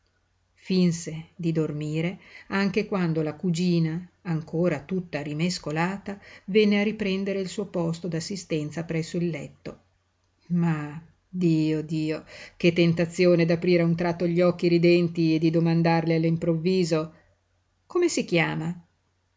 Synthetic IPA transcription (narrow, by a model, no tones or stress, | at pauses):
finsed̪id̪ormiːɾeaŋk̟ekwand̪olakud͡ʒiːnaːŋkoːɾat̪ut̪ːaɾimeskolaːt̪avɛnːearipɾɛnd̪eɾeilsuːopɔst̪od̪asːist̪ɛnt̪sapɾɛsːoilːɛt̪ːo | ma | d̪iːod̪iːok̟et̪ːent̪at̪sːjoːned̪apɾiːɾeunt̪ɾat̪ːoʎːiɔkːiɾid̪ɛnt̪ied̪id̪omand̪arlialːimpɾovːiːzo | komesik̟jaːma